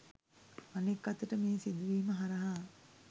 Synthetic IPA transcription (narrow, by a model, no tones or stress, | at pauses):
anekːat̪əʈəmeːsid̪uʋiːməɦaɾaɦa